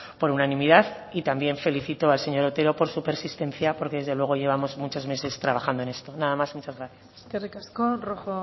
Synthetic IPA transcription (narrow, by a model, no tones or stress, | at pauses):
po̞ɾunanĩmiðað | it̪ambje̞ɱfe̞liθit̪oalse̞ɲo̞ɾot̪e̞ɾo̞po̞ɾsupe̞ɾsist̪ẽ̞nθjapo̞ɾke̞ð̞e̞zðelwe̞ɣ̞o̞ʝe̞β̞amo̞zmut͡ʃo̞zme̞se̞st̪ɾaβ̞axand̪oene̞st̪o̞naðamazmut͡ʃazɣɾaθjasskerikaskoroxo